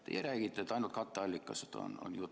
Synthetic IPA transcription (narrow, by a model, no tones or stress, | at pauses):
t̪ḛjeɾæːɡit̪ːæt̪ɑinult̪kɑt̪ːeɑlʲːikːˑɑset̪o̰no̰njuːt̪